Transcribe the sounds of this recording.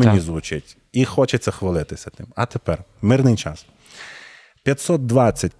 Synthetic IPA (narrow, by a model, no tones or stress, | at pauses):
enʲizʋʊt͡ʃɪtʲ | ixɔt͡ʃɐt͡sʲɛxʋɐlˠɪt̪ɪsʲɐt̪ɪmɐt̪epɛr | mɪrnɪjt͡ʃɑs | pʲjɐt̪ʲsɔt̪̚d̪ʋɑt͡sʲːɐt̚ʲ